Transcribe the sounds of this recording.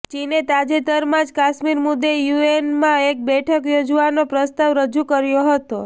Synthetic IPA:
t͡ʃinet̪ad͡ʒet̪əɾmãd͡ʒkaʃmiɾmud̪ːejuenmãek̚bɛʈʰəkjod͡ʒʋanopɾəst̪aʋɾəd͡ʒukəɾjoɦət̪o

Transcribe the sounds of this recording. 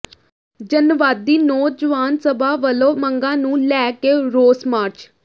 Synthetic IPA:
d͡ʒənʋaːd̪ːiːnoːd͡ʒəʋaːnsəbʱaːʋəlõːməŋɡãːnũːlɛːkeːɾoːsmaːɾt͡ʃ

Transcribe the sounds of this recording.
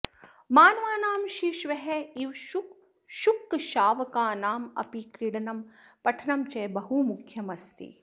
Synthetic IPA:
maːnɐʋaːnaːmʃiʃʋɐɦɛiʋ | ʃukːʃaːʋɐkaːnaːmɐ̰pikɾiɽɐnɐm | pɐʈʰɐnɐmt͡ʃɐːbɐɦumukʰjɐmɐst̪ḭ

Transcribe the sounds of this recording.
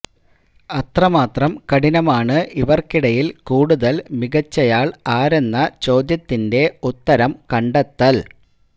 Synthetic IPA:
ɐt̪rɐmaːt̪rɐmkɐɽinɐmaːɳɨʔiʋɐrkiɽɐjilkuːɽuðɐlmiɡɐt͡ɕːɐjaːɭaːɾe̞nːɐt͡ɕo̞ːd̪jɐt̪ːinde̞ut̪ːɐɾɐmkɐɳɖɐt̪ːɐl

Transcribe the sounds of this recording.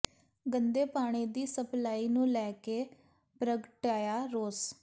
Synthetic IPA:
ɡənd̪eːpaːɽ̃iːd̪iːsəplaːiːnũːlɛːkeː | pɾəɡəʈaːjaːɾoːs

